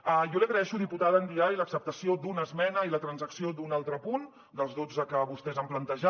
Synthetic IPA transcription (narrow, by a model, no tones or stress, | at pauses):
əjɔliəɣɾəɛʃuðiput̪aðəːnd̪iaɾiləksəp̚t̪əsiod̪unəzmɛnəilət̪ɾənzəksiod̪unalˠt̪ɾəpun | d̪əlˠzðod͡zəkəβust̪ɛzəmplənt̪əʒa